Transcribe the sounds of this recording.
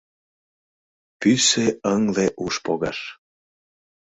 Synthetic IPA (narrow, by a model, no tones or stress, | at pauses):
pyseəŋleʔuʃpoɣɑʃ